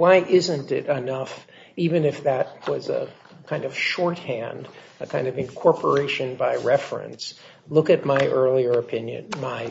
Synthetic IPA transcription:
waɪʔɪzɨ̃ntɪ̰ɾɨnʌf | ivɨ̃nɨfðɨt̚wʌzə̰ | kʰãɪ̃ndʌv̥ʃɔɹt̚hæ̃nd | ɨkʰãɪ̃ndʌvɨ̃nkʰɔɹpʰə˞eɪʃɨ̃nbaɪɹɛfɹɨ̰̃ns | lʊkɨt̚maɪʔɜ˞lˠiə˞ɨpʰɪ̃njɨ̰̃nmaɪ

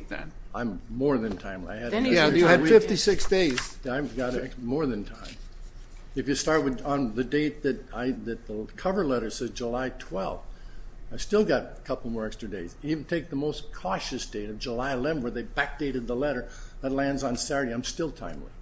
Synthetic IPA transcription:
ðɨ̰t̚ʔãɪ̃mːɔɹðɨ̃ntʰãɪ̃mlḭaɪɨɾjɨɨwifɪftisɪksd̥eɪz̥aɪɡɑɾɛmɔɹðɨ̃ntʰãɪ̃m | ɨfjɨstɑɹt̚wɨð̃n̩ðɨdeɪt̪̚ðɨɾaɪðɨt̪̚ðəkʰʌvə˞lɛɾə˞sɛzd͡ʒəlaɪtʰw̥ɛ̰lˠfθaɪv̥stɪlˠɡɑɾəkʰʌpl̩ˠmɔɹɛkstɹ̥ɨdeɪzivn̩tʰeɪk̚ðəmoʊskʰɔʃɨsd̥eɪɾʌvd͡ʒəlaɪəlɛvnwə˞ðeɪbæk̚d̥eɪɾɨd̪̚ðəlɛɾə˞ðɨtˡlæ̃ndzn̩sæɹɾiãɪ̃mstɪlˠtʰã̰ɪ̃mlḭ

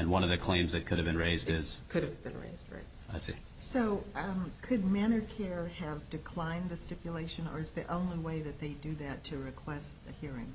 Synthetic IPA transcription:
ɨ̃nwʌ̃nʌvðɨkʰl̥ẽɪ̃mzðɨt̚kʰʊɾɨvbɨ̃nɹeɪzdɪz̥kʰʊɾɨvbɨ̃nɹḛɪzd̚ɹa̰ɪt̚aɪsḭ | soʊkʰɨd̚mæ̃ɾ̃ə˞kʰɛɹɨvdɨkʰl̥ãɪ̃nðɨstɪpjɨleɪʃɨ̃nə̰˞ɨzðiʔõʊ̃nliweɪðɨt̪̚ðeɪdɨðɨtʰɨɹɨkʰw̥ɛstɨhiɹɪ̰̃ŋ

